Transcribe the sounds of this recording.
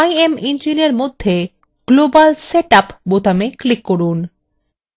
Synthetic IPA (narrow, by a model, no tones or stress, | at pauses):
ajemind͡ʑineɾmod̪ʱːe | ɡ̥lobalseʈapbot̪ameklikːoɾun